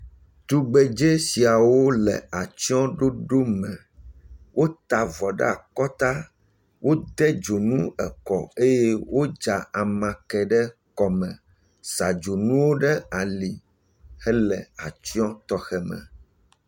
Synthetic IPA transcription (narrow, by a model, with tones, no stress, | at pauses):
t̪u˦ɡ͡bɛ˨d͡ʒe˦si˨a˨wo˦lɛ̰˨a˨t͡ʃi˦ɔ̃˦ɖo˦ɖo˦mɛ̃˨ | wʔo˦t̪a˨vɔ˨ɖɛ̰˦a˨kɔ˦t̪a˦ | wʔo˦d̪ɛ˦d͡ʒo˨nũ˦ɛ̰˨kɔ̰˨e˦je˦wʔo˦d͡ʒa˨a˨mã˨kɛ˨ɖɛ˦kɔ˨mɛ̃˨ | sa˨d͡ʒo˨nũ˦wo˦ɖɛ˦a˨li˨ | hɛ˦lɛ˨a˨t͡ʃi˦ɔ̃˦t̪ɔ˦xɛ˨mɛ̰̃˨